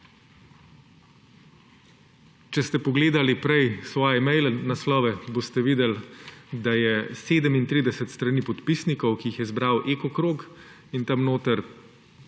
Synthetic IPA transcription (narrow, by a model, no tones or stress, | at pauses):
t͡ʃɛst̪ɛpɔɡleːd̪alipɾɛjsʋɔːjɛmɛjlɛnaslɔːʋɛboːst̪ɛʋiːd̪ɛld̪ajɛseːd̪əmint̪ɾiːd̪ɛsɛt̪st̪ɾaniːpɔt̪pisnikɔwkiixjɛzbɾawʔeːkɔkɾoːk | int̪amnoːt̪əɾ